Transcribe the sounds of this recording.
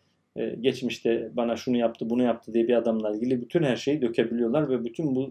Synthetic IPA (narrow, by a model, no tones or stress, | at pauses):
ɛ̰ːɟɛt͡ʃmiʃt̪ʰɛbanaʃunujap̚t̪ʰɯbunujap̚t̪ʰɯd̪ijɛbiad̪amlˠailʲɟilʲibyt̪ʰynhæɾʃe̞jid̪ø̞cʰebilʲijo̞lˠaɾvɛbyt̪ʰynbu